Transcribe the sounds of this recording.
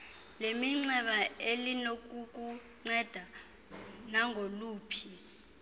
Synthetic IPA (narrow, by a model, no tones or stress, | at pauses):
lemiŋ͡ǀɛɓaelinok̬ʼuk̬ʼu | ŋ͡ǀɛd̥ʱa | naŋʱoluːpʰi